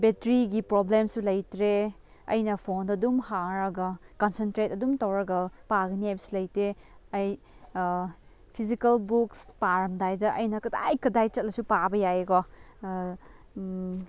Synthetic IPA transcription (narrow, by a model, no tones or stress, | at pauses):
betɾiɡipɾoblemsulɐjtɾe | ɐ̰jnɐpʰondɐdumhaŋɾɐɡɐkɐnsentɾet̚ɐdumtɐwɾɐɡɐpaɡɐniajbɐsu̥lɐjtɾeɐj | pʰizikɐlbukspaɾɐmdajdɐʔɐjnɐkɐda̰jkɐdajt͡ʃɐt̚lɐsupabɐjajeɡɔ